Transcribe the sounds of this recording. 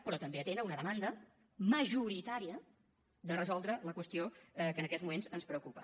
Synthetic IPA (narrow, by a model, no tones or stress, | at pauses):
pɾɔt̪əmbeət̪enəunəðəmand̪ə | məʒuɾit̪aɾiə | d̪ərəzɔlˠd̪ɾələkwəst̪iokənəkɛzmumenzənspɾəukupə